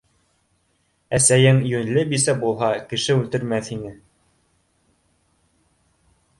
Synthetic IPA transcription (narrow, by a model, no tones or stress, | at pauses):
æsæjɘŋjɵ̆nlɘbisæbulˠɦɑkɘ̆ʃɘʉlt̪ɘ̆ɾmæθhinɘ